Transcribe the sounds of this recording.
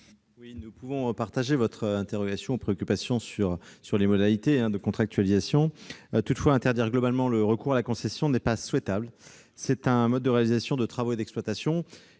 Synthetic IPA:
winupuvɔ̃paʁt̪aʒevɔt̪χɛ̃t̪eʁɔɡasjɔ̃upχeɔkʲypasjɔ̃syʁsyʁlemɔd̪alit̪eɛ̃d̪əkɔ̃t̪χak̚t̪ɥalizasjɔ̃t̪ut̪fwaɛ̃t̪ɛʁd̪iʁɡlɔbalmɑ̃ləʁəkuʁalakɔ̃sɛsjɔ̃nɛpaswɛt̪abl | sɛt̪ɛ̃mɔd̪̚ːəʁealizasjɔ̃d̪ət̪χavoed̪ɛksplwat̪asjɔ̃

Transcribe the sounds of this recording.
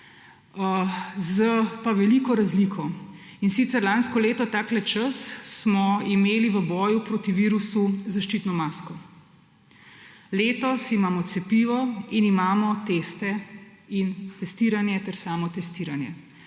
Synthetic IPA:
əzəpaʋɛlikɔɾazlikʰɔ | insit̪sɛɾlanskɔleːt̪ɔt̪aːklɛt͡ʃəsːmɔimeːliʋəbɔːjupɾoːt̪iʋiːɾusuzaʃt͡ʃit̪nɔmaːskɔ | leːt̪ɔsimaːmɔt̪sɛpiʋɔinimaːmɔt̪est̪ɛint̪ɛst̪iːɾanjɛt̪ɛɾsaːmɔt̪ɛst̪iːɾanjɛ̰

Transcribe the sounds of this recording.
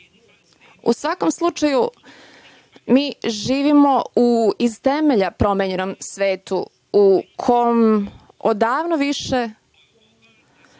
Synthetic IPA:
ṵsʋako̞mslˠut͡ʃaju | miːʒiːʋimo̞uizt̪e̞meʎapɾo̞meɲe̞no̞msʋe̞ːt̪u | ukʰom | od̪aːʋnoʋiʃe̞

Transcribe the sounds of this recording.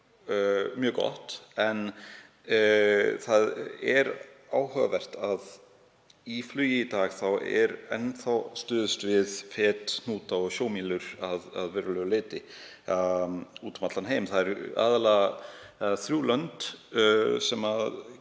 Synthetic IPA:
mjœːkɔ̰ht̪ɛn | θaðɛɾaːwhœɣa̰vɛr̥t̪að | iflyːjɪit̪aːɣθawɛ̰ɾɛnθawst̪ʏːðʏst̪vɪðfɛːt̪n̥uːt̪aɔsjoːwmiːlʏɾ̥aða̰ðvɛːɾʏlœɣʏɪːt̪ɪ | uːt̪mat̪lanheːjmθaðɛɾa̰ːðalaɣ | θɾjuːlœnt̪ | sɛmað

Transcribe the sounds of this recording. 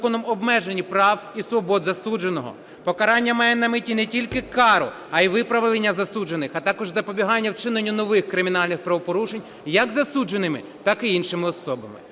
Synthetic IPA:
kɔnɔmɔbmɛʒenʲipɾɑwisʋɔbɔd̪zɐsud͡ʒe̞nɔɦɔ̰ | pɔkɐɾɑnʲːɐmɑjɛnɐmɪtʲinɛtʲilʲkɪkɑɾɔ̰ | ɐiʋɪpɾɐʋlˠenʲːɐzɐsud͡ʒenɪxɐt̪ɑkɔʒzɐpɔbʲiɦɑnʲːɐwt͡ʃɪnenʲːunɔʋɪxkɾɪmʲinɑlʲnɪxpɾɐʋɔpɔɾuʃenʲ | jɐkzɐsud͡ʒe̞nɪmɪ̰ | t̪ɑkɪinʃɪmɪɔsɔbɐmɪ̰

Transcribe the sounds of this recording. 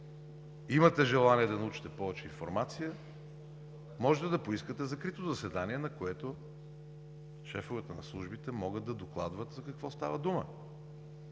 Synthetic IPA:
imət̪ɛʒɛlˠaniɛd̪ɐnɐut͡ʃi̥t̪ɛpɔvɛt͡ʃɛinfoɾmat̪sijə | mɔʒɛt̪ɛd̪ɐpoiskət̪ɛzɐkɾit̪ozɐsɛd̪aniɛnɐkoɛt̪o | ʃɛfovɛt̪ənɐ̰slˠuʒbit̪ɛmɔɡət̪d̪ːɐd̪oklˠad̪vət̪zɐkɐkvɔst̪a̰vəd̪umə̰

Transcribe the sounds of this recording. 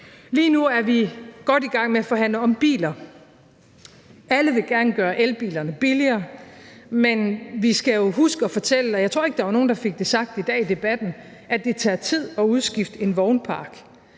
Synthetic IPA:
liːnuæɐʋiɡ̥ɒ̽d̥iɡ̥ɑ̈ŋ̰meæfɒ̽ɦæn̰ləɒ̽mb̥ḭːlɐ | ʔæləʋe̝ɡ̥æɐnəɡ̥ɶːɐʔelb̥ḭːlɐnəb̥iliɐː | menʋisɡ̥æjo̝ɦusɡ̥əɒ̽fɒ̽t͡sʰel̰əɒjɑ̈ɪt͡sʰʁo̰ɐe̝ɡ̥̚d̥ɑ̈ʋɑ̈no̝ːn̩d̥ɑ̈fe̝ɡ̥̚d̥e̝sɑ̈ɡ̥̚d̥id̥ɛ̰ːid̥e̝b̥æd̥n̩ | ʔæd̥e̝t͡sʰɛ̰ːt͡sʰið̞̰ˠɒ̽uðˠsɡ̥ifd̥e̝nʋɒʊnpʰɑ̈ːɡ̥

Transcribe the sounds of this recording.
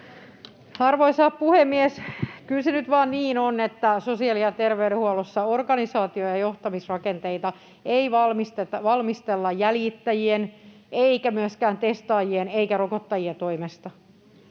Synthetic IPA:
ɑrʋoisɑːppuhemːieskylsenyt̪ʋɑːnniːnonet̪ːæsosiɑliɑt̪erʋeyɾehuolosːɑorɡɑnisɑːt̪iojɑjoht̪ɑmisrɑkent̪eit̪ɑ | eiʋɑlmist̪et̪ʋɑlmist̪elːɑjjæljit̪ːæjien | eikæmyæskæːnt̪est̪ɑːjieneikærokot̪ːɑjiet̪oimest̪ɑ

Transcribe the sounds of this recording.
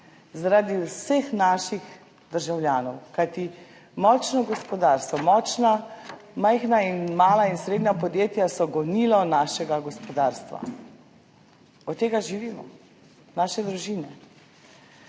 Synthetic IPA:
zaɾad̪iwsexnaːʃix | d̪əɾʒawlʲjaːnɔwkajt̪i | mɔːt͡ʃnɔɡɔspɔd̪aːɾst̪ʋɔmɔːt͡ʃnamajxnainmaːlainsɾeːd̪nʲapɔd̪jeːt̪jasɔɡɔnilɔnaːʃɛɡaɡɔspɔd̪aːɾst̪ʋa̰ | ɔt̪ːeːɡaʒiʋiːmɔ̰ | naːʃɛd̪ɾuʒiːnɛ

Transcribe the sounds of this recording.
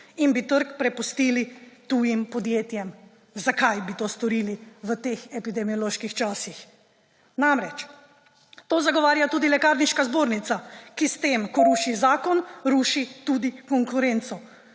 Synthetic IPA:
inbit̪əɾkpɾɛpust̪iːlit̪uːjimpɔd̪jeːt̪jɛm | zakajbit̪oːst̪ɔɾiːliʋət̪exɛpid̪ɛmijɔloːʃkixt͡ʃaːsix | namɾɛt͡ʃ | t̪oːzaɡɔʋaːɾjat̪uːd̪ilɛkaːɾniʃkazboːɾnit̪sakist̪emkɔɾuːʃizaːkɔnɾuːʃit̪ud̪ikɔŋkuɾent̪sɔ

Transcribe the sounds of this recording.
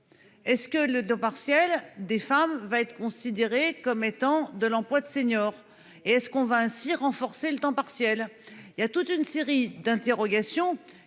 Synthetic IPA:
ɛskələt̪ɑ̃paʁsjɛld̪efamvaɛt̪χkɔ̃sid̪eʁekɔmet̪ɑ̃d̪əlɑ̃plwad̪əseɲjɔːʁ | eɛskɔ̃vaɛ̃siʁɑ̃fɔʁselət̪ɑ̃paʁsjɛliljat̪ut̪ynseʁid̪ɛ̃t̪eʁɔɡasjɔ̃

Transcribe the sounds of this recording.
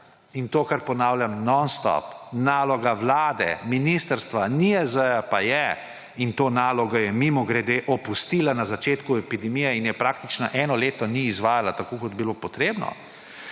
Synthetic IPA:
int̪oːkaɾpɔnaːwljamnɔnst̪ɔ̰pnaːlɔɡaʋlaːd̪ɛ̰minist̪əɾst̪ʋaniɛzəjapajɛ | int̪oːnaːlɔɡɔjɛmimɔɡɾɛd̪eʔɔpust̪ilanazat͡ʃeːt̪kuɛpid̪ɛmijɛinjɛpɾaːkt̪it͡ʃnaʔɛːnɔleːt̪ɔniːzʋaːjalat̪akoːkɔd̪bilopɔt̪ɾeːbnɔ̰

